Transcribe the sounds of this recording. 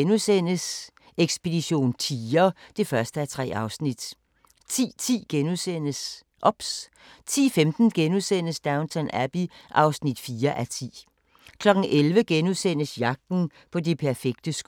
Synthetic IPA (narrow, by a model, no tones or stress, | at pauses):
nusen̰əs | eɡ̥sb̥e̝d̥iɕo̝̰ːnt͡sʰiːɐd̥e̝fɶɐsd̥əæɐt͡sʰʁɛ̰ːɑ̈ʊsnid̥ | t͡sʰḭːt͡sʰḭːɡ̥enusen̰əs | ʔɒ̽b̥s | t͡sʰḭːfemd̥n̩ɡ̥enusen̰əsd̥ɑ̈ʊnt͡sʰɒnæb̥iʔɑ̈ʊsnid̥fiːɐʔæt͡sʰḭː | kʰlɒ̽ɡ̥n̩ʔelʋəɡ̥enusen̰əsjɑ̈ɡ̥̚d̥n̩ | pʰɒ̽dipʰæɐfeɡ̥̚d̥əsɡ̥